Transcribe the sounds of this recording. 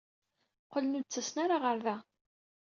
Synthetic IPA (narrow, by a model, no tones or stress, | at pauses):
qələnud̪̚t͡sːəsnaɾaʁəɾðæ